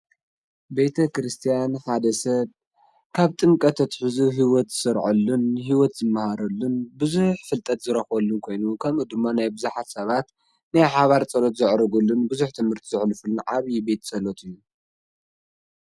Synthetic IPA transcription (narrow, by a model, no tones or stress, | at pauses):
be̞t̪ʰɐkɾɨst̪ʰijanħad̪ɐsɐβ | kʰaβt̪ʼɨŋkʼɐt̪ʰɐt̪ħɨzuβɦiwɔt̪z̥ɨsɐɾʕulːunɦiwɔt̪zɨmːahaɾɐlːunbɨzuħfɨlt̪ʼɐt̪zɨɾɐxwɐlːunkʰo̞jnukʰɐmud̪ɨmːanajbɨzuħat̪sɐβat̪ | najħaβaɾt͡sʼɐlot̪zɨʕɾɨɡulːunbɨzuħt̪ʰɨmhɨɾt̪ʰizɨħlfulunʕaβibe̞t̪sʼɐlot̪ʰɨjːu